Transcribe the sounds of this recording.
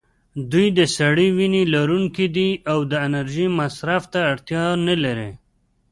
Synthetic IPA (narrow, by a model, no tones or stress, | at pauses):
d̪ujd̪əsaɽiwinilaɾuŋkid̪iawd̪əɪnəɾʒimasɾaft̪aːɽt̪jɑnəlɐɾḛ